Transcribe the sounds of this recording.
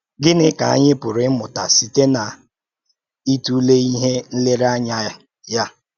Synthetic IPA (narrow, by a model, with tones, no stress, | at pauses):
ɡɪ˦nɪ˦ka˨a˦ɲɪ˦pʊ˨ɾɪ˦mʊ˨ta˨si˨te˦na˨ | i˦tu˦le˦i˦ɦe˦n̩˦le˦ɾa˦ɲa˦ | ja˦